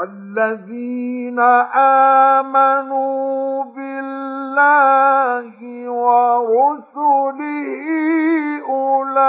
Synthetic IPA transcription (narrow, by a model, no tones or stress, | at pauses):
alːaðiːnaʔaːmanubɪllːaɦɪwaɾʊsuliɦʔʊla